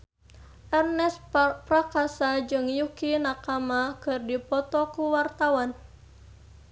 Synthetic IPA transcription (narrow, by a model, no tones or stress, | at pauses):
ʔɛrnɛsprakasad͡ʒɨŋjukinakamakɨrdipɔt̪ɔkuwart̪awan